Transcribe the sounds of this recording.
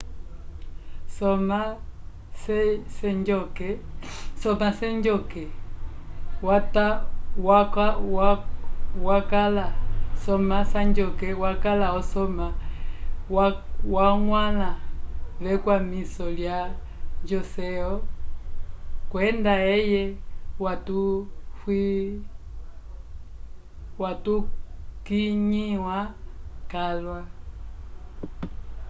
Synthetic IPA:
sɔma | sɛsɛɲd͡ʒɔkɛsɔmasɛɲd͡ʒɔkɛ | watawak | wakalasɔmasaɲd͡ʒɔkɛwakalaɔsɔma | wwaŋwalaβɛkwamisɔlja | ɲd͡ʒɔsɛɔ | kwɛndaɛjɛwatufwi | watukiɲiwakalwa

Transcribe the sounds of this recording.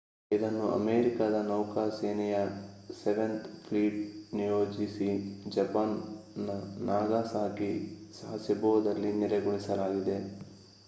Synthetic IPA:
id̪ɐnːuʔɐ̰meːɾikad̪ɐnɐwkaːseːnɛjɐseʋent̪pʰliːʈnijo̞ːd͡ʒisid͡ʒɐpaːnːɐnaːɡaːsaːkisɐɦɐsibɔʋɐd̪ɐlːiniɾɐɡuɭisɐlaːɡid̪e̞

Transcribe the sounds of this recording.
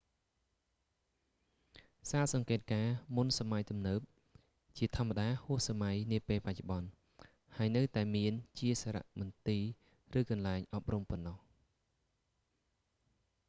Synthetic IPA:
saːt̪̚sɑŋkeːt̪̚kaːmunsamajt̪umnəːp̚ | t͡ɕiət̪ʰŏəmaɗaːhʊəhsamajniəpeːlpac̚t͡ɕoɓɑn | haəjnɨwt̪aɛmiənt͡ɕiəsaːɾa̰ʔmɑnt̪iː | rɨːkɑnlaɛŋʔɑp̚rumpɔnːɑh

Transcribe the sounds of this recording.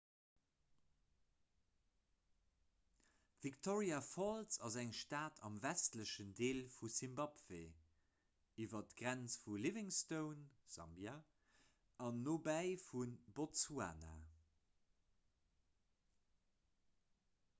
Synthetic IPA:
v̥iktʰoʁiafoltsɑzæŋʃtaːtʰɑ̰mvæstləʃəndeːlfusimbɑpv̥e | ivɐtɡ̥ʁænt͡sfulivɪŋstəʊnz̥ɑ̰mbja | ɑnːoːbæɪfunbotsua̰ːna̰

